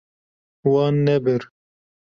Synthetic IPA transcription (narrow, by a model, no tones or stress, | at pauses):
wɑːnːɛbɪɾ